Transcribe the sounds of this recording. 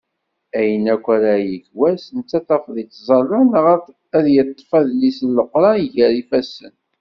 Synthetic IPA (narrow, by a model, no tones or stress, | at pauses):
æjənækʷːæɾajəkwæsənt͡sːæθɑfðˤit͡s̪ːzˤɑlænəʁ | æðjət̪ˤːfæðlisəlːəqɾˤɑiʝæɾifæsə̰n